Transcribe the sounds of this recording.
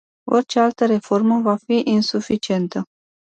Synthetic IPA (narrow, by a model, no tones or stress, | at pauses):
o̞rt͡ʃe̞alt̪əɾe̞fo̞rməvafiʔinsufit͡ʃie̞nt̪ə